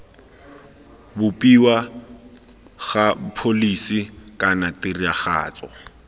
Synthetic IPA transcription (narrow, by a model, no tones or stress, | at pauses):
bʊpʼiwa | ɣapʰolisikʼanatɪriaχa̰ːt͡sʼɔ